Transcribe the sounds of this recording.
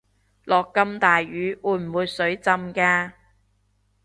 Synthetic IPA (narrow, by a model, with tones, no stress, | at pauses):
lɔː˨kːɐ˧mt̪aː˨jɥyː˨˥ʔuː˨˧jm̩˨˩wuː˨˧jsɵ˨˥ɥt͡sɐ˧mkaː˧